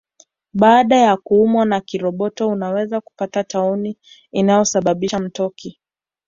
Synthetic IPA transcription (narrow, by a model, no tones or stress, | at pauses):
ɓaːɗajakuumwanakiɾɔɓɔtɔunawɛzaku̥patatauni | inajɔsaɓaɓiʃam̩tɔkʰi